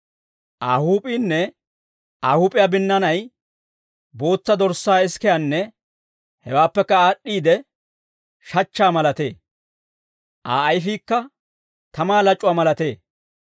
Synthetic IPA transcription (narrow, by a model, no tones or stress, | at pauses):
ʔaːhuːpʼiːnːɛ | ʔaːhuːpʼɪjabɪnːɐnɐj | bo̞ːt͡sːɐd̪ɔɾsːaːɪskɛjanːɛ | hɛwaːpːɛkːɐaːɗːiːd̪ɛ | ʃɐt͡ʃːaːmɐlɐt̪e̞ː | ʔa̰ːɐjfiːkːɐ | t̪ɐmaːlɐt͡ʃʼːʊwaːmɐlɐt̪e̞ː